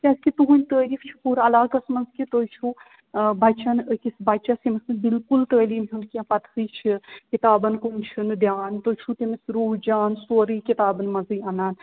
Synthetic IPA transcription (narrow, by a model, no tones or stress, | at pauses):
t̪ʲaskit̪uɦunʲt̪əːɾiːfʰt͡ʃʰi̥puɾɐlaːɡɐsmɐnzkit̪əːjt͡ʃʰu | bɐt͡ʃɐnəkisbɐt̪ːt͡ʃasimɐsmebilkult̪əːliːmɦunkiãpɐt̪ʰɨt͡ʃʰikit̪aːbɐnkunt͡ʃʰind̪jaːnt̪ot͡ʃʰut̪emesɾuːɦd͡ʒaːnsoːɾikit̪aːbɐnmɐzɨɐnaːn